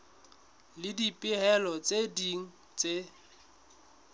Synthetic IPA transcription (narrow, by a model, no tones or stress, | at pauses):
lɪdipʼɪɦɛlɔt͡sʼediŋ̩ | t͡sʼe